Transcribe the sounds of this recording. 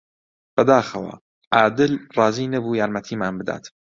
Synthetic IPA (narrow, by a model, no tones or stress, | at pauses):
b̥ɐd̪aːxɐwa̰ | ʔaːd̪ɪlrɑːziːnɐbuːjaːɾmɐt̪ʰiːmaːnbɨd̪a̰ːt̪